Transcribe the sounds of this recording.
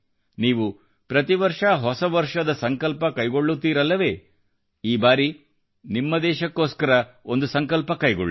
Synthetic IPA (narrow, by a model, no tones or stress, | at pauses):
niːʋu | pɾɐt̪iʋɐɾʂɐɦɔsɐʋɐɾʂɐd̪ɐsɐŋkɐlpɐkɐjɡo̞ɭːut̪ːiːɾɐlːɐʋe̞ː | iːbaːɾi | nimːɐd̪ɛːʃɐkːoːskɐɾɐond̪usɐŋkɐlpɐkɐjɡo̰ɭːi